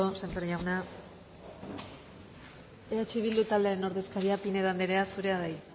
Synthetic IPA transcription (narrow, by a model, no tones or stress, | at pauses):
osant̪oɾjawna | eat͡ʃiβild̪ut̪ald̪eɾeno̞ɾðe̞skaɾiapine̞ðand̪eɾeasuɾe̞aðaj